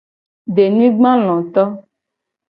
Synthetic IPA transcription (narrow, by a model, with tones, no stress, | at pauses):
ɖe˨nĩ˦ɡ͡bã˦l̃ɔ̃˨t̪ɔ˦